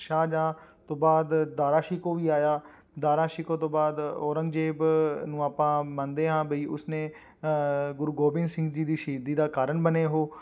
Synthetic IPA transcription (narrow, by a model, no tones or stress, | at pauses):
ʃaːd͡ʒãːt̪õːbaːd̪d̪aːɾaːʃiːkoːʋiːaːjaː | d̪aːɾaːʃɪːkoːt̪õːbaːd̪ɔːɾə̃ŋɡd͡ʒeːbnũːaːpãːmãnd̪eːɦãːbʱəiːʔʊsneː | ɡʊɾuɡoːbɪ̃ŋsɪ̃ŋɡd͡ʒiːd̪iːʃiːd̪iːd̪aːkaːɾəɳbəneːɦoː